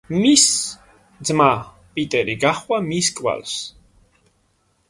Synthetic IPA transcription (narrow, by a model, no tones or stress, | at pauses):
mis | zma | pʼit̪ʼɛɾiɡaχwamiskʼwa̰ls